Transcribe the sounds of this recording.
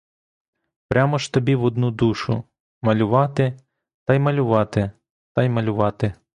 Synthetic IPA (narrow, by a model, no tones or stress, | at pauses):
pɾʲamɔʃt̪ɔbʲiʋɔd̪nud̪uʃʊ̰ | mɐlʲʊʋɑt̪ɪ | t̪ɐjmɐlʲʊʋɑt̪ɪ | t̪ɑjmɐlʲʊʋɑt̪ɪ